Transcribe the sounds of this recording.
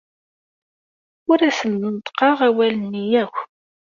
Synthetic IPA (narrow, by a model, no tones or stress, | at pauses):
ʊɾæsənd̪ənt̪ˤqɑʁæwælənːijæxʷ